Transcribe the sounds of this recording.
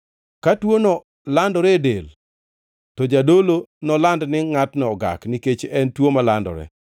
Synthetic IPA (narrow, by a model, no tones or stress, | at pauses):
katwonɔ | landɔɾɛdel | tɔd͡ʒadolonɔlandnɪŋatnɛɔɡa̰kniket͡ʃɛntwomalandɔ̰ɾɛ̰